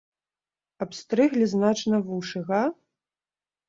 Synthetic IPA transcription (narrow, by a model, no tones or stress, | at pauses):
ɐpst̪ɾɨɣlʲiznat͡ʂnɐvuʂɨɣɐ